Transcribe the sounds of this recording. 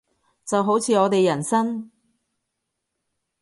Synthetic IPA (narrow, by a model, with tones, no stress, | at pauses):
t͡sɐ˨wɦo˨˥wt͡sʰiː˨˧ɔː˨˧t̪e˨jɐ˨˩nsɐ˥n